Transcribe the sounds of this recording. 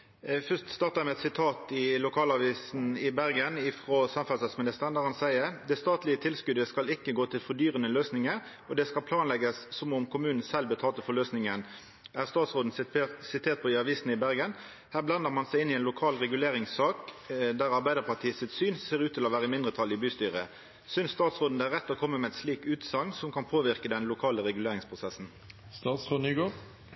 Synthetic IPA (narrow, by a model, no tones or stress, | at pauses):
fœst̪st̪ɑːʁt̪ɑɛmɛt̪sɪt̪ʰɑːt̪ɪlʊkʰɑːlɑʋiːsn̩ɪbæʁɡənɪfʁoːsɑmfɑlsɑsmɪnɪst̪əʁənd̪æʁhɑnsæɪəʁd̪ɛst̪ɑːt̪lɪət̪ʰɪlskʉd̪əskɑlɪkːəɡoːt̪ʰɪlfɔd̪yːʁənəløːsnɪŋəʁ | ɔd̪ɛskɑlpʰlɑːnlɛɡəsːɔmʊmkʊmʉːnn̩sɛlbət̪ʰɑːlt̪əfɔʁløːsnɪŋən | ʔæːʁst̪ɑːt̪sʁoːd̪n̩sɪt̪ʰeːʁt̪̚pɔɪɑʋiːsnɪbæʁɡən | hæːʁblɑnd̪əʁmɑnsæɪɪnːɪɛnlʊkʰɑːlʁɛɡʉleːʁɪŋsːɑːkd̪æʁɑʁbæɪd̪əʁpʰɑt̪ʰiːəsɪt̪syːnseːʁʉːt̪ʰɪlɔʋæːʁəmɪnd̪ʁət̪ʰɑlːɪbʉːst̪yːʁə | sʏnsst̪ɑːt̪sʁoːd̪n̩d̪ɛæʁɛt̪ːɔːkʰɔmːəmɛɛnsliːkʉːt̪sɑŋsɔmkʰɑnpʰoːʋɪʁkəd̪ɛnlʊkʰɑːləʁɛɡʉleːʁɪŋspʰʁʊsɛsn̩ | st̪ɑːt̪sʁoːd̪nyːɡoː